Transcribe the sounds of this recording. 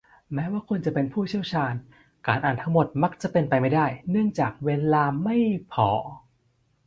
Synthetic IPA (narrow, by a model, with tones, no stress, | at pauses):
mɛː˦˥waː˥˩kʰu˧nt͡ɕa˨˩ʔpe˧npʰuː˥˩t͡ɕʰi˥˩əwt͡ɕʰaː˧n | kaː˨˧nʔaː˨˩nt̪ʰa˦˥ŋmo˨˩t̪̚ma˦˥k̚t͡ɕa˨˩ʔpe˧npa˧jma˥˩jdaː˥˩jnɯ˥˩əŋt͡ɕaː˨˩k̚weː˧laː˧ma˥˩jpʰɔː˩˦